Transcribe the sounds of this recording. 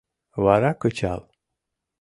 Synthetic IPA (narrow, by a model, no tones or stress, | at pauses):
vaɾakɯt͡ʃa̰lˠ